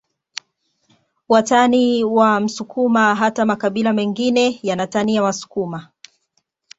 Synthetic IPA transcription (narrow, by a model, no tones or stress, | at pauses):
wataniwam̩sukʰumaɦatamakaɓilamɛŋɡinɛjanataniawasu̥kuma